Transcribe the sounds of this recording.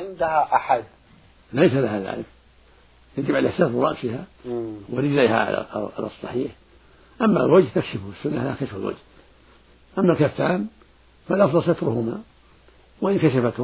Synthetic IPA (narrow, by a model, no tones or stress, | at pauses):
ɪnd̪ahaʔaħad̪̚ | lajsalahalʕa̰lɪm | jɪd͡ʒɪmʕalasaθwrˤɑʔsihawɪɾɪd͡ʒzajha̰ʕa̰la̰ʕa̰la̰sˤːɑ̰ħiːħ | ʔamːalwad͡ʒht̪akʃɪfɪsːʊnːahlahakaʃfalwa̰d͡ʒh | ʔamːalkaft̪aːn | falʔɑfðˤɑlsat̪ɾʊhʊma̰ | wɪʔɪnkaʃafat̪hʊ